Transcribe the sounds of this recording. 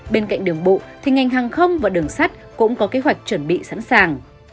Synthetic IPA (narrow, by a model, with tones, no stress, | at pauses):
ɓe˧nka̰˧˨jŋ̟ɗɨ˨˩əŋɓo̰˧˨t̪ʰi˨˩ŋa˨˩jŋ̟ɦaː˨˩ŋxə˧wŋ͡mvaː˨˩ɗɨ˨˩əŋsa˦˥jt̚kʊ̰˧˥ŋ͡mkɔ˨˦ke˨˦ɦwa˨˩jk̟̚t͡ɕwə˧˩nɓḭ˧˨sa̰˧˥nsaː˨˩ŋ